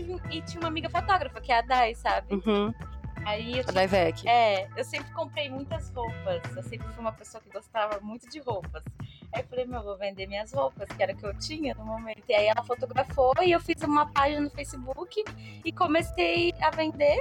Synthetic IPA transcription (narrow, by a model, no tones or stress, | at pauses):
ivɪt͡ʃĩɲũmamiɡɐfot̪ɔɡɾɐfɐkɪɛɐd̪ajsabɪ̃ | aiewd̪ajvɛkiɛewsẽmpɾɪkõmpɾejmũj̃t̪ɐzhowpɐsewsẽmpɾɪfujũmɐpesoɐkɪɡost̪avɐmũj̃t̪ʊd͡ʒɪhowpɐsaewfalejmewvovẽnd̪emĩɲɐshowpɐskɪɛɾɐʊkɪewt͡ʃĩɲɐnʊ̃momẽnt̪ʊiaiɛlɐfot̪oɡɾafoɪewfizũmɐpaʒinɐnʊfejsɪbukɪɪkomesejɐvẽnd̪e